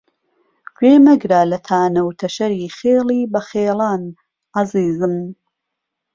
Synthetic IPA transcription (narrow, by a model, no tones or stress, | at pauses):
ɡweːmɐɡɾaːlɐt̪ʰaːnɐwt̪ʰɐʃɐɾiːχeːliːbɐχeːlaːn | ʔaziːzɨm